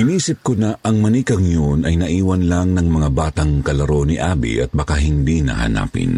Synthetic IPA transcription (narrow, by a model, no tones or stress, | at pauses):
ɪniːsɪp̚konɐʔɐŋmɐnikɐŋjonɐjnɐʔiːwɐnlaŋnɐŋmɐŋabaːt̪ɐŋkɐlɐɾo̞niʔaːbḭʔɐt̪̚bɐkaɦɪnd̪inɐ̰hɐ̰na̰ːpɪ̰n